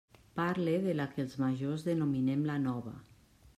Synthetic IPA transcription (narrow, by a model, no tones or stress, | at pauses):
paɾleðelakelˠzmaʒozðenominemlanɔβa̰